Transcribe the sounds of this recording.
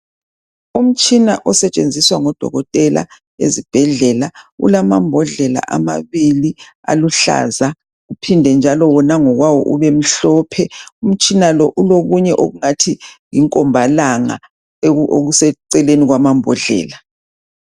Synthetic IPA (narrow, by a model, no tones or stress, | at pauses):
um̩t͡ʃʼinaʔɔsɛt͡ʃʼend͡zʱiswaŋɔd̥ʱɔ̰ɣɔtʼɛla̰ | ḛzib̥ʱɛɮɛlaṵlamambʱɔɮɛla̰ʔamaβili | a̰luɬa̰za | ɣupʰindʱɛnd͡ʒʱalɔwɔnaŋɔɣwawɔ̰ʔuβem̩ɬɔpʰɛum̩t͡ʃʼinalɔʔuloɣuɲɛʔoɣuŋatʰiŋiŋkʼɔmbʱalaŋa̰ | oɣusɛǀɛleniɣwamambʱɔɮɛ̰ːla